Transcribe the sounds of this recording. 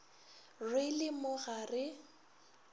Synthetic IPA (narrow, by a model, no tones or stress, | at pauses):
rɪlɪmʊɣarɪ